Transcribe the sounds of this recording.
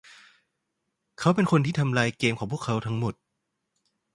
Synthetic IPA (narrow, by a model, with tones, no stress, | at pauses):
kʰa˦˥wpe˧nkʰo˧nt̪ʰiː˥˩t̪ʰa˧mlaː˧jkeː˧mkʰɔː˩˦pʰu˥˩kʰːa˦˥wt̪ʰa˦˥ŋmo˨˩t̪̚